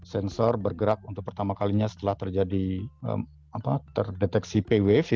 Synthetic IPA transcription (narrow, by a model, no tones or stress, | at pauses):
sɛnsɔrbərɡəɾak̚unt̪ʊk̚pərt̪amakaliɲasə̥t̪əlaht̪ərd͡ʒadiə̰m | apat̪ə̰rdet̪ɛksipewef